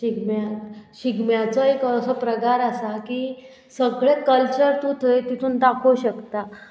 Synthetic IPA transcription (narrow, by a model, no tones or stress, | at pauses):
ɕiɡmjat̪ɕiɡmjat͡sɔekəsɔpɾəɡaɾəsakiː | səɡɭekəlt͡ɕəɾt̪ut̪ʰəjt̪it̪ʰũːnt̪akʰoɕəkt̪a